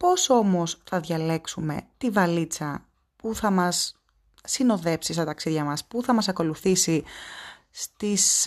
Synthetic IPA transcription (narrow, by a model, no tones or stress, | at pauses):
po̞so̞mo̞sθɐðʝɐle̞ksume̞̰t̪ivɐlit͡sɐ | puθɐmɐsː | ino̞ðe̞psist̪ɐt̪ɐksiðʝɐmɐspuθɐmɐsɐko̞luθisi | st̪is